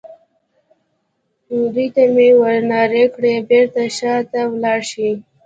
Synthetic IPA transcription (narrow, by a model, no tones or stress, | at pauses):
uɾiʈ̪amewəɾnɑɾekɽebeɾt̪aʃɑt̪awlɑʃi